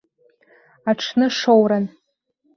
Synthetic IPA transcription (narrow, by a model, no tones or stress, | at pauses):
aʈ͡ʂʰnɨʂowɾan